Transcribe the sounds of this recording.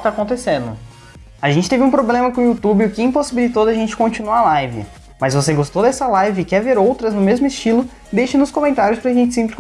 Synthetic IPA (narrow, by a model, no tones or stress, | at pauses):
t̪akõnt̪esẽnd̪ʊ̰ | aʒẽnt͡ʃɪt̪evɪũpɾoblẽmɐkõiut̪ubɪʊkɪĩposibilit̪owd̪ɐʒẽnt͡ʃɪ̥kõnt͡ʃinualajvɪ̰ | mɐsvoseɡost̪owd̪ɛsɐlajvɪkɛveɾowt̪ɾɐznʊmezmʊɪst͡ʃilʊ | ɪd̪ejʃɐnʊskõmẽnt̪aɾjʊspɾɐʒẽnt͡ʃɪsẽpɾɪk